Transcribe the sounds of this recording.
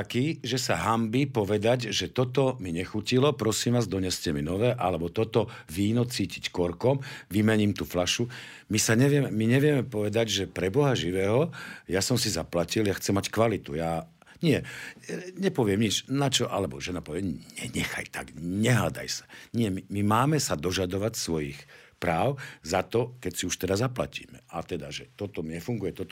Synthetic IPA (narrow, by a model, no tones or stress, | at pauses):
akiːʒɛsaɦambipɔʋɛd̪aɟʒɛt̪ɔt̪ɔmiɲɛxucilɔpɾɔsiːmʋaːzd̪ɔɲɛscɛminɔʋɛːʔalɛbɔt̪ɔt̪ɔʋiːnɔt͡siːcickɔɾkɔmʋimɛɲiːmt̪uflaʃu | misaɲɛʋɪjɛmɛmiɲɛʋɪɛmɛpɔʋɛd̪aɟʒɛpɾɛbɔɦaʒiʋɛːɦɔjasɔmsizaplaciljaxt͡sɛmːackʋalit̪ujaː | ɲɪɛ | ɲɛpɔʋɪɛmɲit͡ʃnat͡ʃɔʔalɛbɔ̰ʒɛnapɔʋɪɛɲɛɲɛxa̰jt̪a̰ɡɲɛɦad̪a̰jsḁɲɪɛmimimaːmɛsad̪ɔʒad̪ɔʋacsʋɔjixpɾaːʊzat̪ɔkɛcsiuʃt̪ɛd̪azapla̰cḭːmɛat̪ɛd̪aʒɛt̪ɔt̪ɔɲɛfuŋɡujɛt̪ɔt̪ɔ